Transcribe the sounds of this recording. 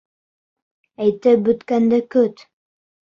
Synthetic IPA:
æjt̪ɘp̚bɵ̆t̪kænd̪ɘkɵt̪

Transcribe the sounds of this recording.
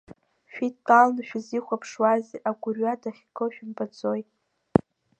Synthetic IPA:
ʃᶣitːalnʃᶣiziχʷapʰʂwazeʔaɡʷʊrɥadaχʲkʰʼoʃᶣʊmbʼat͡sʼojtʼ

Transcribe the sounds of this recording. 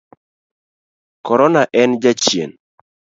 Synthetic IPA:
kɔɾɔnaʔɛnd͡ʒat͡ʃjḛn

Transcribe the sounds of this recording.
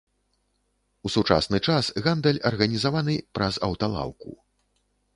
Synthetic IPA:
usut͡ʂa̰snɨt͡ʂasɣand̪ɛlʲɐrɣɐnʲizavanɨpɾɐzɐ̰wt̪alˠa̰wˠkṵ

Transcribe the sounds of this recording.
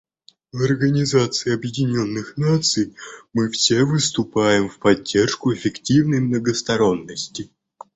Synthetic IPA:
vɐrɡənʲɪzat̪sɨɪɐbjɪdʲɪnʲo̞nːɨxnat̪sɨjmɨfsʲevɨst̪ʊpajɪmfpɐdʲːe̞rʂkʊɪfʲɪktʲivnəjmnəɡəst̪ɐɾo̞nːəsʲtʲɪ

